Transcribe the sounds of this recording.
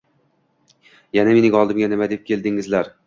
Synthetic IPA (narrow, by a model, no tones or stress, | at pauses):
janame̞nɪŋɒlˠd̪ɪmɡʲanɪmad̪ep̚kʲʰe̞ld̪ɪŋɪzlaɾ